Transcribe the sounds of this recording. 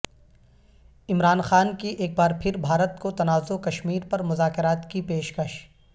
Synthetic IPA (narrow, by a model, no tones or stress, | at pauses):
ɪmɾaːnxaːnkiʔeːk̚baːɾpʰɪɾbʱaːɾət̪kot̪ɐnaːzokɐʃmiːɾpɐɾmʊzaːkɪɾaːt̪kipeːʃkɐʃ